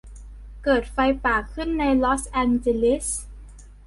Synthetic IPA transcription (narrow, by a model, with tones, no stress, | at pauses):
kɤː˨˩t̪̚fa˧jpaː˨˩kʰɯ˥˩nːa˧jlɔ˦˥sʔɛː˧nt͡ɕe˧li˦˥s